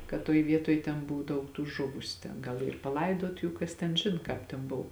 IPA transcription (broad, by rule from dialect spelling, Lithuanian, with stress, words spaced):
kɐt ˈtoːj ˈʋʲiɛtoːj tʲɛn ˈbʊw ˈdɐʊk tuː ˈʒʊʋʊsʲʊ tʲɛn ˈɡɐlˠ ˈiːr pɐˈlˠɐɪdoːt ˈjuː ˈkɐs tʲɛn ˈʒʲɪn ˈkɑːp tʲɛn ˈboːw